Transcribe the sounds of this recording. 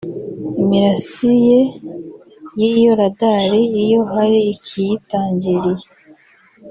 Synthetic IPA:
imiɾasije | jijoɾadaɾiːjo̞ɦaɾiːcʰijitaːɲɟiɾije

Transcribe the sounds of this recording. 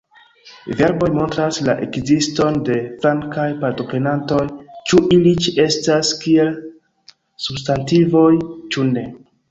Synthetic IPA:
ve̞ɾbo̞jmo̞ntɾaslaʔe̞̰kzisto̞nde̞fɾaŋkajpaɾto̞pɾe̞nanto̞jt͡ʃuʔilit͡ʃie̞staskie̞l | substantivo̞jt͡ʃune̞

